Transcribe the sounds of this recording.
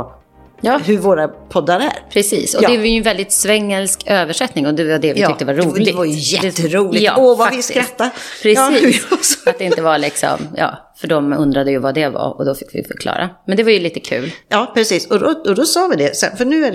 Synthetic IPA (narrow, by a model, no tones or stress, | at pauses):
jɑːɦɵɾvoːɾapʰɔd̪ːaɾæ̰ɾpʰɾɛsḭːsɔɛvajnvɛld̪ɪt̪svɛŋːəlskøːvəʂɛt̪nɪŋɔd̪ɛvad̪ɛvɪtʏk̚t̪əvaɾuːlɪɛvajjɛd̪ːɾuːljɑ̰ːɔvaavɪtɪɾt̪ːapʰɾɛsiaat̪̚d̪ɛɪnəvaɭɪksɔ̰mjɑ̰ːfœɖɔmɵnd̪ɾad̪əjɵvad̪ɛva̰ɾɔ̰d̪ɔfɪkːvɪ̰fœ̰ɾkʰlɑ̰ːɾʔa̰mɛnd̪ɛvaɾjɵliːt̪ə̥kʰʉ̟̰ːljɑːpʰɾɛsiːsɔd̪ɔɔd̪ɔsɑːvɪd̪ɛsɛ̰nfœɳʉ̟ːæ